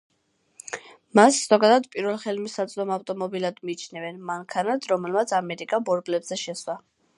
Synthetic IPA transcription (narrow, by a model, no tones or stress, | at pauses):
masz̥ɔɡad̪ad̪pʼiɾvɛlˠχɛlmisat̪sʼd̪ɔmaft̪ʼɔmɔbilad̪miːt͡ʃʰnɛvɛnmaŋkʰanad̪ɾɔmɛlmat̪sʰamɛɾikʼabɔɾbʼlɛbz̥ɛʃɛswa